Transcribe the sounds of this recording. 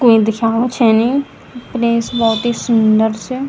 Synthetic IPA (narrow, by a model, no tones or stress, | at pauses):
koːĩːd̪ɪkʰaːʋət͡ʃʰɛniː | pɾeːsbɔːt̪iːsəɳɖəɾs